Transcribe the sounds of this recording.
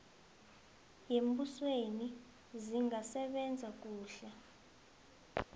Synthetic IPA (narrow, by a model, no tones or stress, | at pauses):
jembusweni | ziŋɡasɛɓɛnd͡zʱak̬ʼuːɬa